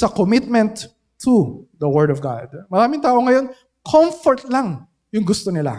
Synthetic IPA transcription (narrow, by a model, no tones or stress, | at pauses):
sɐkomɪt̪̚mɛ̃nt̪ʰː | uðɐwɛɹd̪ɔvɡa̰d̪̚mɐɾaːmɪŋt̪aːʔo̞ŋɐjo̞n | kʰomfoɹt̪̚laŋ | jʊŋɡʊst̪onɪla̰